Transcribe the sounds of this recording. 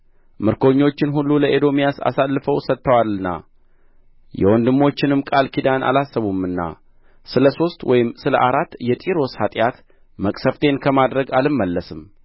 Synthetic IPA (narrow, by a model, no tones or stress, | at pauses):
mɨɾko̞ɲːo̞t͡ʃːɪnɦulːuləʔed̪o̞mijasa̰salːɨfəwsət̪ːəwalːɨnːa̰ | jɛ̰wɔnd̪ɨmːo̞t͡ʃːɪnɨmkʼalkʰid̪anʔa̰lasːəβumɨnːa̰ | sɨləso̞st̪wʔɔjɪmsɨlə̰ʔaɾat̪ːjɛt̪ʼiɾo̞shat̪ʼjat̪ | məkʼsəft̪ʰe̞nkʰəmad̪ɾəɡalɨmːəlːəsɨm